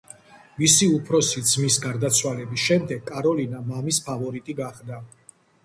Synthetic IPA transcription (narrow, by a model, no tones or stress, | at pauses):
visiupʰɾɔsid̪zmisɡaɾd̪at̪sʰwalɛbisʃɛmd̪ɛɡkʼːaɾɔlinamamispʰavɔɾit̪ʼiɡaχd̪a